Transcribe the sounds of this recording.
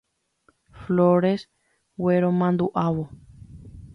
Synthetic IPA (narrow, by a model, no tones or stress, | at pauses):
floɾes | weɾomãnd̪uʔaʋo